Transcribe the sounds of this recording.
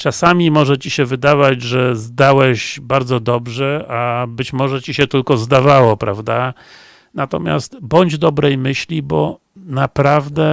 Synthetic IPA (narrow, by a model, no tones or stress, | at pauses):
t͡ʂasamʲimɔʐɛt͡ɕiɕɛvɘd̪avad͡ʑʐɛzd̪awɛɕbaɾd̪zɔd̪ɔbʐɛabɘt͡ɕmɔʐɛt͡ɕiɕɛt̪ɘlkɔzd̪avawɔpɾʔa̰vd̪a | nat̪ɔ̰mʲja̰st̪bɔɲd͡ʑd̪ɔbɾɛjmɘɕlʲibɔ | napɾavd̪ɛ